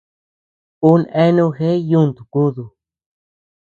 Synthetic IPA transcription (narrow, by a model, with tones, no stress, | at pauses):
u˦nẽ˦nũ˧xe˦ju˦˨nt̪u˨ku˦ðu˨